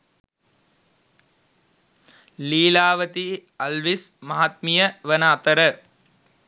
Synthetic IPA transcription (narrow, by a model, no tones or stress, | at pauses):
liːlaːʋət̪ialʋismaɦat̪̚mijəʋənaːt̪əɾə